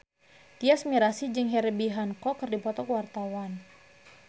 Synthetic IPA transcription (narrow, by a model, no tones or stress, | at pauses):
t̪iasmiɾasid͡ʒɨŋɦɛɾbiɦankɔkɨrdipɔt̪ɔkwart̪awan